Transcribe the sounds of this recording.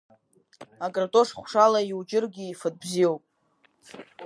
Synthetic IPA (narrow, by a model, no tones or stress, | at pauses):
akʼratʼoʂχʷʂalaiwd͡ʒɪrɡʲɪːfɨd̚bziowpʼ